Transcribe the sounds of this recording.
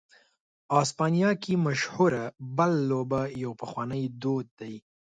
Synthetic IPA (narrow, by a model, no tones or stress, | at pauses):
ɑspɑnijɑkimaʃhuɾabəlːobajawpəxwɑnəjd̪od̪̚d̪aj